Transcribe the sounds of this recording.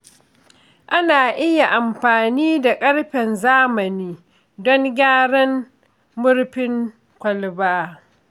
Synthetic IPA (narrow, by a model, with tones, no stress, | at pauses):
ʔa˦naː˨ʔɪ˦ja˨ʔa˨mɸaː˨niː˦da˨kʼɐ˦ɽɸɛ˨nzaː˦mɐ˨niː˦ | dɔ˦ŋɡʲaː˦ɽɐ˦ŋ | mʊ˦ɽɸɪ˦ŋ | kʷɐ˨lbaː˦